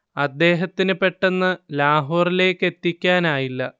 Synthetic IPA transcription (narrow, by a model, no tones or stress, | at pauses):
ɐd̪ːe̞ːɦɐt̪ːinɨpe̞ʈːenːɨlaːɦoːrile̞ːkːe̞t̪ːikʲːaːnaːjilːɐ